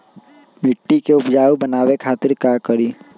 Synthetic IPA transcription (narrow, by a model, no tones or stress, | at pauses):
mɪʈːikeʊpd͡ʒaːubənaːwekʰaːt̪ɪɾkakəɾiː